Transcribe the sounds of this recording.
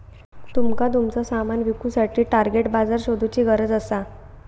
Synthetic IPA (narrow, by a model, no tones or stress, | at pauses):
t̪umkat̪̬umt͡sɔsamanʋikusaʈʰiːʈaɾɡeʈbad͡zaɾɕod̪ʱut͡ɕiːɡəɾəd͡zəsa